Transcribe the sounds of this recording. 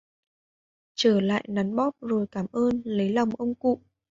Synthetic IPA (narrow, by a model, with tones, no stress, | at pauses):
t͡ɕəː˧˩la̰ː˧˨jna˨˦nɓɔ˦˥p̚zo˨˩jkaː˧˩mʔəː˧nlə˨˦jla˨˩wŋ͡mʔə˧wŋ͡mkṵ˧˨